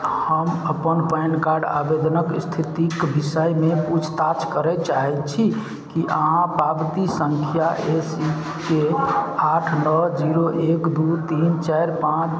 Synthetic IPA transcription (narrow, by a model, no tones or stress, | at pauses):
həməpənpəjnkaɾɖa̰bed̪ʱənəkst̪ʰit̪ikbisəjmeput͡ʃʰt̪at͡ʃkəɾɛt͡ʃaɦɛt͡ʃʰi | kiʔəɦãpɾabt̪isəŋkʰijaʔesi | keaʈʰnəd͡ʒiɾoʔekd̪ut̪int͡ʃajɾpãt͡ʃ